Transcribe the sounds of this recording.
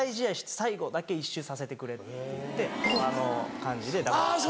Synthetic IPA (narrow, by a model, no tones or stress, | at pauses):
iʑiaiɕi̥t̪e̥saiɡo̞d̪ake̞iɕːɨsase̞t̪e̞kɯ̟ɾe̞t̪e̞anokãɲ̟d͡ʑid̪e̞d̪a